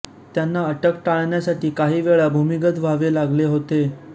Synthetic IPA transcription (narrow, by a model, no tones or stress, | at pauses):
t̪janːaəʈəkʈaɭɳjasaʈʰiːkaɦiːʋeɭabʱumiɡət̪ʋaʋelaɡleɦot̪e